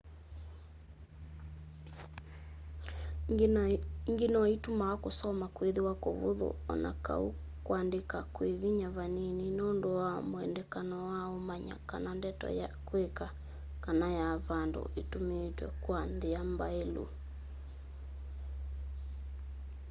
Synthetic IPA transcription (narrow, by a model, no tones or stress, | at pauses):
ŋɡenɔitumaɔkosɔmakweðewakoβo̰ðo̰ɔ̰na̰ka̰u | kwandekakweβiɲaβanininondowamoɛndɛkanɔwaomaɲa̰ka̰nandɛtɔ̰ja̰kweka | kanajaβando̰ʔetometwɛ̰kwanðeambaelṵ